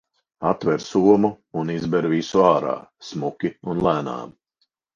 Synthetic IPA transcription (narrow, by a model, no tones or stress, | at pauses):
at̪vɛɾsuɔmuːnizbɛɾvisuaːɾa̰ːsmukʲiunlˠæːna̰ːm